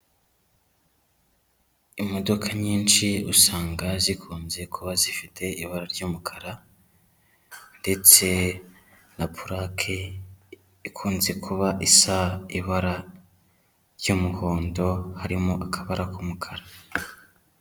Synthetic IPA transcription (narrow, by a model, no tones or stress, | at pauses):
imo̞do̞kʰaɲiːnʃiṵsaːŋɡazikʰuːnze̞kʰuβazifitʰe̞iβaɾaɾɟuːmukʰaɾa | nde̞t͡se̞ | napʰuɾakʰe | ikʰuːnze̞kʰuβaʔisaiβaɾa | ɾɟumuho̞ːndo̞haɾimoʔakʰaβaɾakumukʰaɾa